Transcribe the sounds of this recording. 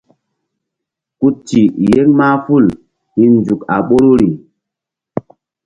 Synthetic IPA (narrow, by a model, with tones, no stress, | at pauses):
ku˦t͡ʃi˨je˦ŋmaː˦fu˦˨l | hi˦nnd͡ʒu˨ka̰˨ɓo˦ɾo˦ɾi˨